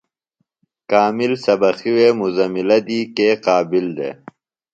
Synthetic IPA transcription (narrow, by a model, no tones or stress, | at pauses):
kaːmilsɐbɐxiweːmuzɐmilɐd̪iːkeːqaːbild̪ḛː